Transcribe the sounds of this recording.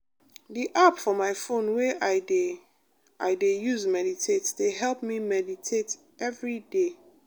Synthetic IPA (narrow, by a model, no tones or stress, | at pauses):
diʔapfɔmaɪfõnweaɪ | aɪdejuzmɛditʰetdeɦɛlˠpmĩmɛditʰet | ɛvɹide